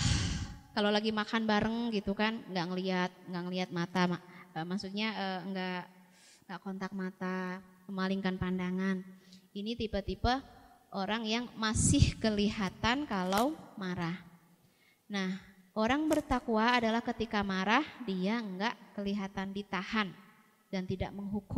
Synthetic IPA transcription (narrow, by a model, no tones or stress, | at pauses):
kalawlaɡimakanbaɾəŋɡit̪ukanŋɡaʔŋəliat̪̚ŋɡaʔŋəliɦat̪̚mat̪amaəmasuɲaəŋɡaʔ | əŋɡaʔkont̪ak̚mat̪a | məmaliŋkanpandaŋaninit̪ipət̪ipəʔoɾaŋjaŋmasɪhkəliɦat̪ankalawmaɾah | nah | ʔoɾaŋbərt̪akuaːdalahkət̪ikamaɾahdiaəŋɡaʔkəliɦat̪andit̪ahan | dant̪ida̰ʔməŋɦukʊ